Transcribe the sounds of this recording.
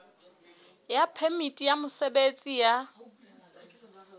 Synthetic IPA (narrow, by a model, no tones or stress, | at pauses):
japʰɛmitʼijamʊsebet͡sʼija